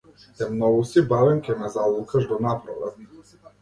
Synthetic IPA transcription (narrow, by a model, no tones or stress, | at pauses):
t̪ɛmnɔɡusibavɛmkʲɛnɛzalˠukaʒd̪anapɾaʋa̰t̪